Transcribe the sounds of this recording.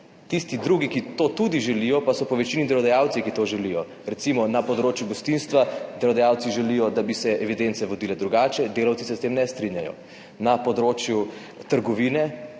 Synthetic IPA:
t̪ist̪id̪ɾuɡikit̪oːt̪ud̪iʒɛlijɔpasɔpɔʋɛt͡ʃinid̪ɛlɔd̪ajaːwt̪sikit̪oːʒɛlijɔ | ɾɛt̪simɔnapɔd̪ɾoːt͡ʃjuɡɔst̪inst̪ʋad̪ɛɾlɔd̪ajawt̪siʒɛlijɔd̪abisɛɛʋid̪ent̪sɛʋɔd̪iːlɛd̪ɾuɡaːt͡ʃɛd̪eːlɐwt̪sisɛst̪eːmnɛst̪ɾinjajɔ̰ | napɔd̪ɾoːt͡ʃju | t̪əɾɡɔʋiːnɛ

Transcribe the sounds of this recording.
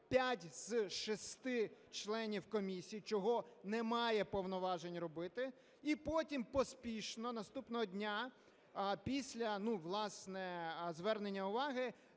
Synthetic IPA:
pʲjatʲz̥ʃɔst̪ɪt͡ʃlˠɛnʲiwkɔmʲisʲijit͡ʃɔɦɔnɛmɑjɛpɔwnɔʋɑʒenʲrɔbɪt̪ɪ | ipɔtʲimpɔspʲiʃnɔnɐst̪upnɔɦɔdʲnʲa | pʲisʲlʲɐnuʋlˠɑsnɛzʋɛrnenʲːɐʊʋɑɦɪ

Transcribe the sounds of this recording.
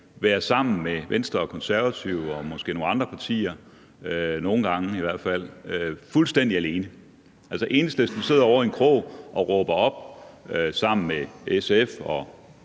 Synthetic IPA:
ʋæːɐsɑ̈m̰n̩meʋensd̥ʁɐɒkʰɒ̽nsæɐʋæt͡sʰiʊ̰ɒ̽mɒ̽sɡ̥e̝̰ːno̝ːnɑ̈nd̥ʁɐpʰɑ̈t͡sʰḭːɐ | øno̝ːn̩ɡ̥ɑ̈ŋəiʋæɐ̰d̥fæl̰øfulsd̥en̰d̥iæle̝ːnə | ʔæl̰səʔe̝ːnəsd̥əsd̥use̝ð̞̰ˠɐɒ̰ʊ̰ɐenkʰʁo̰ːʔɒ̽ʁɔ̽ːb̥ɐɒ̽b̥øsɑ̈m̰n̩meesefɒ̽

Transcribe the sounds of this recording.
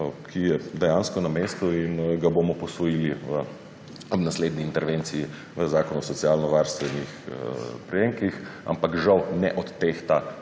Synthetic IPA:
kʰijɛd̪ɛjanskɔnameːst̪uinɡabomɔpɔsʋɔjiːliʋə | nasleːd̪niːnt̪ɛɾʋent̪siji | ʋəzaːkɔnuɔsɔtsijalnɔʋaːɾst̪ʋɛnixpɾɛjeːŋkixa̰mpakʒawnɛ̰ʔɔt̪ːeːxt̪a

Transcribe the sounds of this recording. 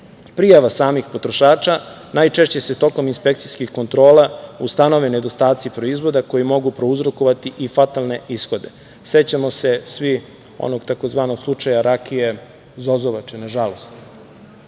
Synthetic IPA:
pɾijaʋasaːmixpo̞t̪ɾoʃaːt͡ʃa | najt͡ʃe̞ʃt͡ɕe̞set̪o̞ko̞minspe̞k̚t̪sijskixko̞nt̪ɾo̞ːlaust̪ano̞ʋened̪o̞st̪aːt̪sipɾo̞izʋo̞d̪ako̞jimo̞ɡupɾo̞uzɾo̞ko̞ʋat̪iʔifat̪alˠne̞isxo̞d̪e̞ | set͡ɕamo̞se̞sʋi | o̰no̞ɡt̪ako̞zʋaːnoɡ̥slˠut͡ʂajaɾakije | zo̞zoʋat͡ʃenaʒalo̞st̪

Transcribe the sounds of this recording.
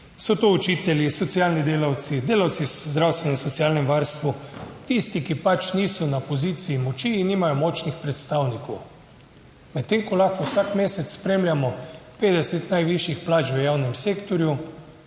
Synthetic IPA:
sɔt̪out͡ʃiːt̪ɛljisɔt̪sialnid̪eːlawt̪sid̪eːlawt̪sizd̪ɾawst̪ʋɛnɛnsɔt̪siaːlnɛmʋaɾst̪ʋut̪ist̪ikipat͡ʃniːsɔnapoziːt̪siːmɔt͡ʃiːnːiːmajɔmɔːt͡ʃnixpɾɛt̪st̪awnikow | mɛt̪ːeːŋkɔlaxkɔwsakmeːsɛt̪ssːpɾeːmlʲjamɔpeːd̪ɛsɛt̪najʋiʃjixplaːt͡ʃʋəjawnɛmseːkt̪ɔɾju

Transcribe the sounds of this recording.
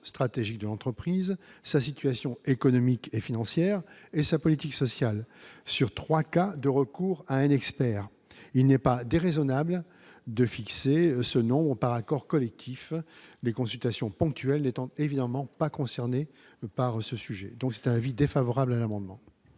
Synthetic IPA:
st̪χat̪eʒik̚d̪əlɑ̃t̪χəpχizsasit̪ɥasjɔ̃ekɔnɔmikefinɑ̃sjɛːʁesapɔlit̪iksɔsjalsyʁt̪χwakad̪əʁəkuːʁaɛ̃nɛkspɛːʁ | ilnɛpad̪eʁezɔnabl | d̪əfiksesənɔ̃bʁəpaʁakɔʁkɔlɛk̚t̪ʰiflekɔ̃sylt̪asjɔ̃pɔ̃k̚t̪ʰɥɛlnet̪ɑ̃t̪evid̪amɑ̃pakɔ̃sɛʁne | paʁsəsyʒɛd̪ɔ̃ksɛ̥t̪ɛ̃navid̪efavɔʁablalamɑ̃d̪mɑ̃

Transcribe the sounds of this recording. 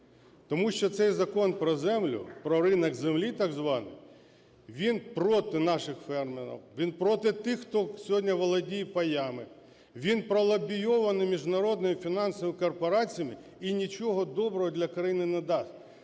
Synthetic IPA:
t̪ɔmuʃt͡ʃɔt̪sɛjzɐkɔnpɾɔzɛmlʲʊ̰pɾɔɾɪnɐɡzemlʲit̪ɑɡzʋɑnɪ̰ | ʋʲinpɾɔt̪ɪnɑʃɪxfɛrmeɾɐ̰wʋʲinpɾɔt̪ɪt̪ɪxːt̪ɔsʲɔɦɔdʲnʲɐʋɔlˠɐdʲijipɐjɑmɪ | ʋʲinpɾɔlˠɐbʲijɔʋɐnɪmʲiʒnɐɾɔd̪nɔmɪfʲinɑnsɔmɪkɔrpɔɾɑt͡sʲijɐmɪ | inʲit͡ʃɔɦɔd̪ɔbɾɔɦɔd̪lʲɐkɾɐjinɪnɛd̪ɑsʲtʲ

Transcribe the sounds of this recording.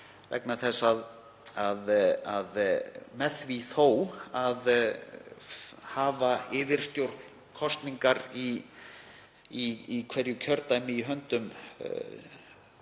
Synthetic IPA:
vɛ̰knaθɛsːað | aðaðmɛθviθoːwað | haːvaɪːvɪɾ̥st̪jowɾt̪n̥ | kʰɔst̪niŋkaɾi | iikʰvɛɾjʏcʰœɾt̪ajmɪiɦœnt̪ʏm

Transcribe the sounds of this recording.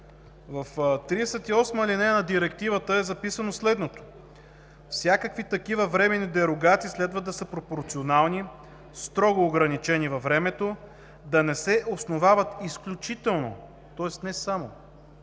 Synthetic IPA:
vɐft̪ɾiɛsɛt̪iɔsməlinɛənɐd̪iɾɛkt̪ivət̪əɛzɐpisənoslɛd̪not̪o̥ | fsʲjakəkvit̪ɐkivəvɾɛmɛnid̪ɛɾoɡat̪siːslɛd̪vəd̪ɐsəpɾopoɾt̪sionalˠni | st̪ɾɔɡoːɡɾɐnit͡ʃɛnivɐvɾɛmɛt̪o | d̪ɐnɛsɛʔosnovavət̪isklʲut͡ʃit̪ɛlˠno̰ | t̪ɔɛst̪nɛsamo

